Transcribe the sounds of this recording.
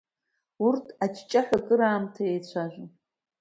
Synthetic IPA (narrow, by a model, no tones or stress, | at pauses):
urtʰat͡ʃʰt͡ʃʼaħʷᶣakʼɨɾaːmtʰajejt͡ɕʷʰaʒᶣʷ